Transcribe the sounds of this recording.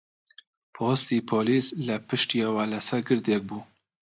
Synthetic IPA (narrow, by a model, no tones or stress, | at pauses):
pʰoːst̪iːpʰoːliːslɛpʰɨʃt̪iewaːlɛsɛɡɨɾd̪ek̚buː